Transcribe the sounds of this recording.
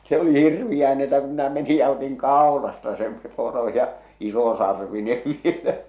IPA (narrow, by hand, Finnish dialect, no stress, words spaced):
se oli hirʋij̆æː ni etːæ ku minæ meni jɑ otiŋ kɑˑolɑstɑ sem poro jɑ isosɑrʋineʋ ʋielæ